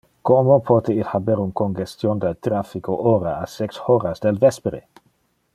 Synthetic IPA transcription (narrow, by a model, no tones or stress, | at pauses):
komopʰot̪eilhabeɾunkonɡest̪jond̪elt̪ɾafikoʔoːɾaasɛkshoːɾasd̪elvɛspeɾe